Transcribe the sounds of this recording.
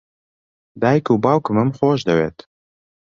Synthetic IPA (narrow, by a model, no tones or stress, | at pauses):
d̪aːjkuːbɑːwkɨmɨmxoːʃd̪ɐwḛːt̪